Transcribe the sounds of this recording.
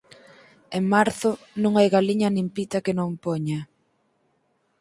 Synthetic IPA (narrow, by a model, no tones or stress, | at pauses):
eŋmaɾθʊ | nũŋajɣaliɲɐnimpit̪ɐkenõŋpɔɲa